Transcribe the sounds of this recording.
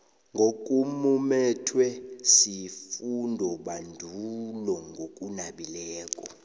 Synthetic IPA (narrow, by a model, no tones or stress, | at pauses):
ŋɡʱok̬ʼumumɛtʰwɛsifundʱɔɓandʱulɔŋɡʱokʼunaɓilɛːkʼɔ